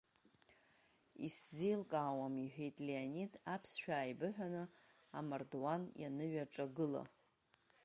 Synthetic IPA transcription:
ḭszilkʼaːwamiħᶣejtʼleanidapʰsʃᶣaːjbɨħʷᶣanɨ | amardwanja̰nɨɥaʈ͡ʂʼaɡɨla̰

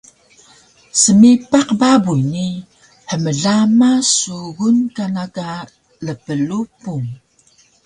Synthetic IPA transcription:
səmipaqbabujni | ħəməɮamasuɣunkanaka | ləpəlupuŋ

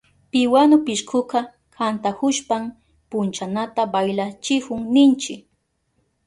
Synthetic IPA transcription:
pɪwanʊpɪʃkʰʊqɑ | kʰant̪akʊʃpam | pʊnt͡ʃanat̪abajlat͡ʃɪkʊŋnɪnt͡ʃɪk

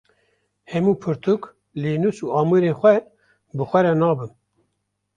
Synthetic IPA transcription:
hɛmuːpʰɨɾt̪ʰuk | leːnusuːɑːmɨɾeːxʷɛ | bɨxʷɛɾɛnɑːbɨn

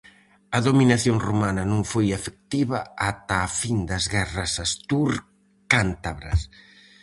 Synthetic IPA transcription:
ɐðominaθjoŋrumanɐnõŋfojefek̚t̪iβɐat̪ɐːfind̪ɐzɣɛrɐsast̪uɾ | kant̪aβɾɐ̰s

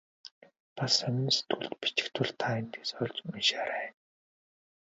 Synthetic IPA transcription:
pasœmʲɪ̆nset̪ɡuɮt̪pi̥t͡ɕɪ̥̆kt̪ʰʊɮt̪ʰaːin̥t̪eːsɔɮt͡ɕminʃaɾaːn

